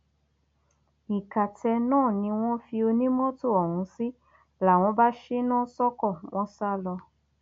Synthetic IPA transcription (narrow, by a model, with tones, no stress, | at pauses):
i˨ka˨tɛ˧nãː˦˨nĩ˧w̃ɔ̃˦fi˧o˧nĩ˦mɔ̃˦to˦˨ɔ˨hũ˨˧˦si˦ | la˨w̃ɔ̃˧˦ba˦ʃe˦nãː˦sɔ˦kɔ˦˨w̃ɔ̃˦sa˦lɔ˧